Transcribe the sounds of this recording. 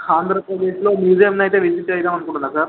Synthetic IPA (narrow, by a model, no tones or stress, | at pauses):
kʰaːnd̪ɾɐpɾɐd̪e̞ːʂilo̞ːmjuːzijɐmnaːjt̪eːʋisit̪ːt͡ʃejt̪aːmɐnːukuːɳʈunːɐsaːɾ